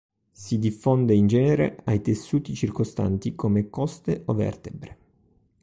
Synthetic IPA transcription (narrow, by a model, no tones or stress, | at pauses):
sid̪ifːond̪eind͡ʒɛːneɾḛajt̪esːuːt̪it͡ʃirkost̪a̰nt̪ikomekɔst̪eʔovɛ̰rt̪ebɾe